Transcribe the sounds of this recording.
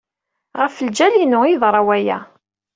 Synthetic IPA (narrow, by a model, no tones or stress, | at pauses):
ʁəfəld͡ʒælinʊiðˤɾˤɑwæjæ̰